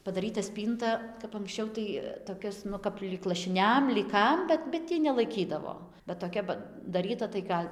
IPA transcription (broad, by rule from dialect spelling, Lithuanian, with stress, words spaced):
pɐdɐˈrʲiːtɐ ˈsʲpʲiːntɐ kɐp ɐŋksʲˈt͡ʃʲɛʊ tɐɪ toːˈkʲɛs ˈnʊ kɐp lʲiːk lˠɐʃʲɪˈnʲɛm lʲiːk ˈkɐm ˈbʲɛt bʲɛt ˈtʲiː nʲɛlˠɐɪˈkʲiːdɐʋoː bʲɛt toːˈkʲɛ pɐdɐˈrʲiːtɐ tɐɪ ˈɡɐlʲ